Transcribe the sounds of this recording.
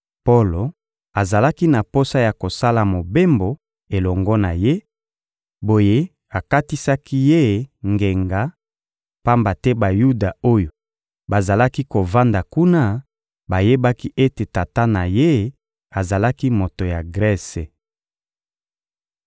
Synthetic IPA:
po˦lo˨ | a˨za˨la˦ki˦na˨po˦sa˦ja˨ko˨sa˦la˨mo˨be˦mbo˨ | e˨lɔ˨ŋɡɔ˦na˨je˦ | bo˨je˦ | a˨ka˦ti˦sa˦ki˦je˦˨ŋɡe˨ŋɡa˨ | pa˦mba˨tɛ˦ba˨ju˦da˨o˦jo˨ | ba˨za˨la˦ki˦ko˨va˦nda˨ku˦na˦ | ba˨je˦ba˦ki˦ʔe˦te˨ta˨ta˦na˨je˦ | a˨za˨la˦ki˦mo˨to˨ja˨ɡʁɛ˦se˨

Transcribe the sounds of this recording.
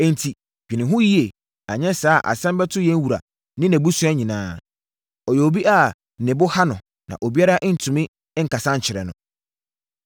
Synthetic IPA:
ɛ˨n̩˨tʰi˨ | ɡ̥ᶣi˨nɪ̃˨ɦʊ̃˦ji˦e˨ | a˨ɲɛ̃˦saː˨˦˨ʔa̰˨sɛ̃˦mbɛ˦tʰʊ˦jɛ̃˦n˦wu˨ɾa̰˨ | nɪ̃˦nɛ̃˨bu˦sʊ˦a˦ɲĩ˨nãː˦ | ɔ˨jɛ˨o˨bi˦ʔa˨ | nɪ̃˨bʊ˦ha˦nʊ̃˨ | nã̰˨ʔo˨bi˦a˦ɾa˦ʔn̩˨tʰũ˨mɪ̃˦ | ŋ̩˨ka˨sã˦ɲ̩˨t͡ɕʰɪ˨ɾɛ̰˨nʊ̰̃˨

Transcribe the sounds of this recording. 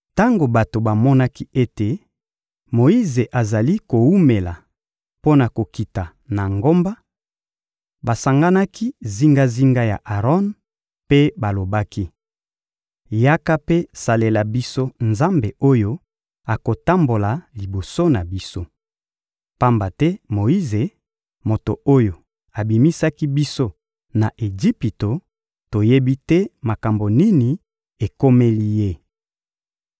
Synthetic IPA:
ta˦ŋɡo˨ba˨to˨ba˨mɔ˦na˦ki˦e˦te˨ | mo˨i˦ze˨ʔa˨za˨li˦ko˨wu˦me˨la˨ | po˦na˨ko˨ki˨ta˨ | na˨ŋɡo˦mba˦ | ba˨sa˨ŋɡa˦na˦kʰi˦zi˦ŋɡa˦zi˦ŋɡa˦ja̰˨ʔa˨ʁɔ˦n | pe˦ba˨lo˨ba˦ki˦ | ja˦ka˦pe˦sa˨le˨la˨bi˦so˦nza˦mbe˨o˦jo˦ | a˨ko˨ta˦mbo˨la˨li˨bo˨so˦na˨bi˦so˦ | pa˦mba˨tɛ˦mo˨i˦ze˨ | mo˨to˨o˦jo˨ | a˨bi˨mi˦sa˦ki˦bi˦so˦ | na˨ʔe˨zi˦pi˨to˨ | to˨je˦bi˦tɛ˦ma˨ka˨mbo˨ni˦ni˨ | e˨ko˦me˦li˦je˦

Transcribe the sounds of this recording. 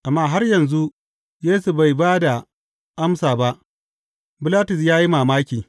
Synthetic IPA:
ʔa˨mːaː˦ɦa˦rjɐ˨nzu˦ʔ | jeː˦su˨ba˨jbaː˦da˨ | ʔa˦msaː˨ba˦ʔ | bɪ˦laː˦tʊ˨s̬jaː˦ji˦maː˨maː˦kʲiː˨

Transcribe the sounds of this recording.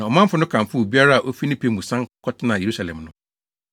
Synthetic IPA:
nã˨ɔ˨mã˦m˦fʊ˦nʊ̃˦kʰã˨mfʊ˦o˨bi˦a˦ɾa˦a˨ʔo˦fi˦nĩ˦pʰe˦mũ˨sã˦ŋ˦kʰɔ˦tʰɪ˦nã˨je˨ɾu˦sa˨lɛ̰̃˨mnʊ̃˦

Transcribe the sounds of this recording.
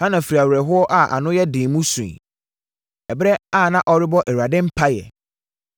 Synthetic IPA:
hã˦nã˨fɾi˨a˨wɾɛ˨ɦʊ˦ɔ˦ʔa˦ʔa̰˨nʊ̃˦jɛ˦dɪ̃˨mũ˦sṵ̃˨n˨ | ɛ˨bɾɛ˦a˦˨nã˦ʔɔ˦ɾɪ˦bɔ˦ʔɛ˨wu˨a˨dɪ̃˦m̩˦pʰa˦jɛ̰˨

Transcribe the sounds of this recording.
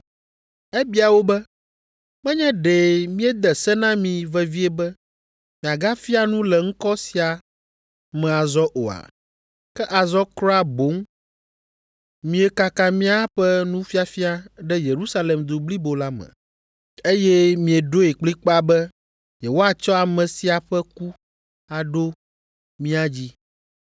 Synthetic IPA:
ɛ˦bi˦a˨wo˦bɛ˦ | mɛ̃˦ɲɛ̃˦ɖe˨mĩ˦ɛ˦d̪ɛ˨sɛ˦nã˦mĩ˨vɛ˦vi˦ɛ˦bɛ˦ | mĩ˨a˨ɡa˦fi˦a˨nũ˦lɛ˨ŋ̩̃˦kɔ˦si˨a˨ | mɛ̃˨a˨zɔ˦ʔo̰˨a̰˨ | kɛ˦ʔa˨zɔ˦kɾɔ˦a˦bo˨˦ŋ | mĩ˨e˨ka˨ka˦mĩ˦a˦ɸɛ˦nũ˦fi˦a˨fi˦a˦ɖɛ˦je˨ɾu˦sa˦lɛ˨md̪u˨bli˦bo˨la˦mɛ̰̃˨ | e˦jɛ˦mĩ˨e˨ɖo˦e˨k͡pli˦k͡pa˦bɛ˦ | jɛ˨wo˦a˦t͡ʃɔ˦a˨mɛ̃˨si˦a˨ɸɛ˦ku˦ | a˨ɖo˦ | mĩ˦a˨d͡ʑi˦

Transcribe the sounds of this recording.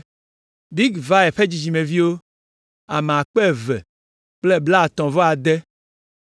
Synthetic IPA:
bi˦ɡva˦ɛ˨ɸe˦d͡ʑi˨d͡ʑi˨mẽ˨vi˦wo˦ | a˨me˨a˨k͡pɛ˦˨vɛ̰˨ | k͡ple˦bla˦˨t̪ɔ̃˨vɔ˦a˨d̪ɛ˦

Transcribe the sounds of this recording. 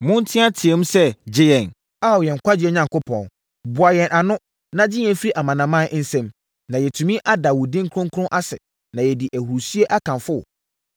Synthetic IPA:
mʊ̃˦n˦tʰɪ̃˦a˦tʰɪ˨ɛ˦m̩̃˦sɛ˦d͡ʑɪ˦jɛ̃˨n | a˦˨jɛ̃˨ŋ̩˨kʰʷa˦dɪ˦ɛ˦ɲã˨ŋkʊ˦pʰɔ̰̃˨n | bʊ˨a˨jɛ̃˨nʔa˨nʊ̃˦ | nã˦d͡ʑɪ˦ɲɛ̃˨˦fi˦ɾi˦ʔa˨mã˨nã˨mã˦n̩˦sɛ̃˦m | nã˨jɛ˨tʰũ˨mĩ˦ʔa˦da˨wʊ˨dɪ̃˦ŋ˦kʰʊ̃˦ŋ˦kʰʊ̃˦ʔa˦sɛ̰˨ | nã˨jɛ˨dɪ˨ʔæ˨hu˨ɾsɥe˦ʔa˦kʰã˨nfʊ˦˨

